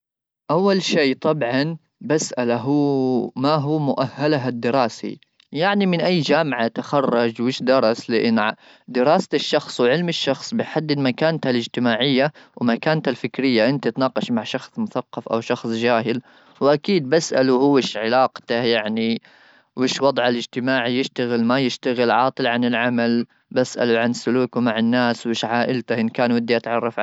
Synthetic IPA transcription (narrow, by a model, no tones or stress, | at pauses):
ʔawːalʃeːt̪ˤɑbʕɑn | basʔalaɦuːmaɦuːmʊʔahːalaɦad̪ːɪɾɑːsḭ | jaʕnimɪnʔajːd͡ʒaːmʕat̪axɑrˤːɑd͡ʒwɪːʃd̪ɑɾˤɑslɪʔɪnːʕ | d̪ɪɾˤɑːst̪ʃːɑxsˤwʕɪlmɪʃːɑxsˤbɪħad̪ːɪdmakaːnt̪halɪd͡ʒt̪ɪmaːʕɪjːawmakaːnt̪halfɪkɾɪjːaʔɪnt̪at̪nɑːqɑʃmaʕʃɑxsˤmʊθaqːɑfʔa̰wʃɑxsˤd͡ʒaːɦɪl | wʔakiːd̪̚basʔa̰luhʊɪʃʕɪlɑːqt̪ajaʕni | wɪːʃwɑd̪ˤʕalɪd͡ʒt̪ɪmaːʕijɪʃt̪aɣɪlmajɪʃt̪aɣɪlʕɑːt̪ˤɨlʕanɪlʕamal | basʔa̰luʕansːʊluːkʊmaʕɪnːaːswɪːʃʕaːʔɪlt̪ahɪnkaːnwɪd̪ːiʔat̪ʕɑrˤːɑfʕ